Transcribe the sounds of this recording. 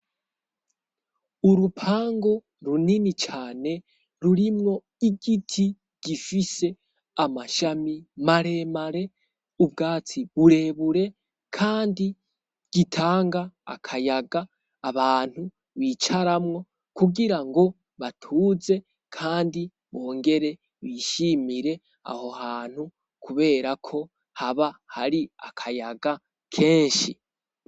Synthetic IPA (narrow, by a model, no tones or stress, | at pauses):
uɾupʰaːŋɡo | ɾuninit͡ʃaːne̞ | ɾuɾimŋo̞ | iɡitʰi | ɡ̥ifise̞ | amaʃamimaɾe̞maɾe̞ | ub̚ɡaːt͡siβuɾe̞βuɾe̞ | kʰaːndi | ɡ̥itʰaːŋɡa̰ːkʰajaɡaː | βaːn̥hu | βiːt͡ʃaɾamŋo̞ | kuɡiɾaŋɡo̞ | βatʰuze̞ | kʰaːndi | βo̞ːŋɡe̞ɾe̞ | βiːʃimiɾe̞ | a̰ho̞haːn̥hu | kʰuβe̞ːɾakʰo̞ | haβahaɾia̰kʰajaɡa | kʰe̞ːɲʃi